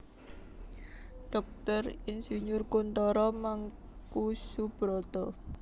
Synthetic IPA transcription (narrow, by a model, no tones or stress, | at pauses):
ɖ̥ɔk̚t̪ərɪnsuɲʊrkunt̪ɔɾɔmaŋkusub̥ɾɔt̪ɔ